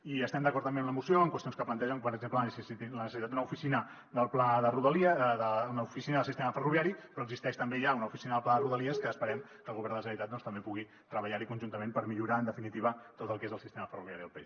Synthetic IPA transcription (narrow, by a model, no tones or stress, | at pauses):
iəst̪ɛmd̪əkɔɾt̪əmbemunəmusioəŋkwəst̪ionskəplənt̪ɛʒəŋpəɾəɡzemplənsiit̪nəssit̪ad̪d̪unəufisinə | ðəlˠplaðəruðəliðəunufisinəðəlˠsist̪eməfəruβjaɾipɾɔəɡzist̪ɛʃt̪əmbeʒaunəufisinəðəlˠplaðəruðəliəskəːspəɾɛm | kəlɣuβɛɾnd̪əsəɾit̪at̪̚ɔnst̪əmbepuɣi | t̪ɾəβəʎaɾikunʒunt̪əmempəɾmiʎuɾaənd̪əfinit̪iβət̪ot̪əlˠkezəlˠsist̪eməfəruβiaɾiðəlˠpɛ̰ʃ